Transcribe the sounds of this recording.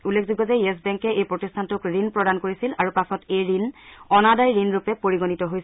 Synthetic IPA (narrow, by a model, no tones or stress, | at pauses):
ulːek̚ʰzuɡɔzajɛs̬bɛŋkɛʔejpɹotistʰantʊkɹinpɹɔdankoɹisilaɹupasɔtejɹinɔnadajɹinɹupɛpoɹiɡonitɔɦojs